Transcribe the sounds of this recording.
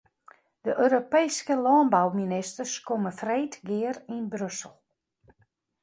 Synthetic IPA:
d̥əʔøːɾopejskəlɔːnbawminɪstərskoməfreːtɡɪərinbrøsəlˠ

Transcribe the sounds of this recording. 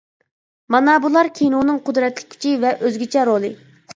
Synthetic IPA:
mɑnɑbulˠɑɾkʲʰejnunɨŋqʊd̪ɾɛt̪lɪ̥k̚ʲʰy̥t͡ʃʰivɛʔøzɡʲit͡ʃʰɛɾolˠɨ

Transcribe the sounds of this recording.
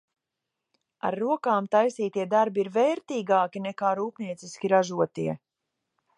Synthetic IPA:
a̰ɾːuɔkaːmt̪ajsiːt̪iɛd̪aɾbiiɾvɛːɾt̪iːɡaːkʲinɛkaːɾuːpniɛt̪siskʲiɾaʒuɔt̪iɛ

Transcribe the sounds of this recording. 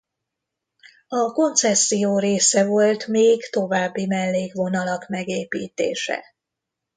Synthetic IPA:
ɒko̞nt̪sɛsːijoːɾeːsɛvo̞lt̪meːɡt̪o̞vaːbːimɛlːeːɡʋo̞nɒlɒkmɛɡeːpiːt̪ḛːʃɛ̰

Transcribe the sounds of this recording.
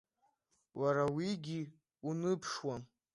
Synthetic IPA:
waɾawiɡʲi | unɨpʰʂwan

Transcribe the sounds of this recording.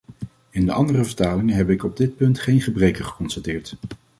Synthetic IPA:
ɪndəʔɑ̰ndərəvəɹtaːlɪŋənɦɛpɪkɔb̚dɪt̚pɵntχejnχəbrejkəɹχə̥kɔnstatɪːɹt

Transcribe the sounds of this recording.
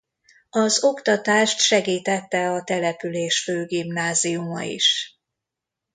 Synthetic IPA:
ɒzo̞kt̪ɒt̪aːʃt̪ʃɛɡiːt̪ɛt̪ːɛɒt̪ɛlɛpyleːʃføːɡimnaːziumɒ̰ḭʃ

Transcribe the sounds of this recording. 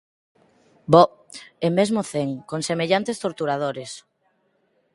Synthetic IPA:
bɔemezmoθeŋkoŋsemeʎant̪est̪oɾt̪uɾað̞oɾes

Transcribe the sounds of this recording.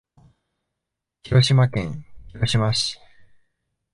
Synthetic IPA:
çiɾo̞ɕimakẽ̞ŋ̃çiɾo̞ɕimaɕi̥

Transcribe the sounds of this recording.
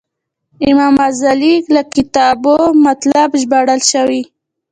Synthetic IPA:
ɪmɑmazaliklakɪt̪ɑbomat̪labʒbaɽəlʃawi

